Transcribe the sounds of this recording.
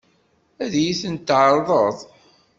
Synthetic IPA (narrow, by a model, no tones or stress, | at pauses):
æðjiθənt̪ːʕəɾˤðˤəðˤ